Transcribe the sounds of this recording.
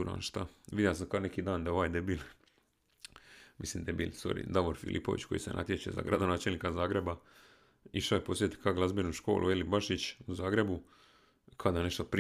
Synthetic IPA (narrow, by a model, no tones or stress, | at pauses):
uɾa̰ːnʃt̪aʋid̪jelas̬amkaonekiːd̪aːnd̪aoʋaːjd̪ajebiːlˠ | misliːmd̪ajebḭːlso̰ɾḭd̪aʋoɾfḭlʔḭpo̰ʋḭt͡ɕko̞̰jḭsena̰t̪ʲjet͡ɕḛza̰ɡɾad̪o̞naːt͡ʃelnikazaːɡɾe̞ba | iʃaoepo̞sjet̪i̥kʰaɡlˠazbenuʃko̞̰ːlʔṵjelibaʃit͡ɕuzaːɡɾe̞bu | kʰad̪ane̞ʃt̪opɾ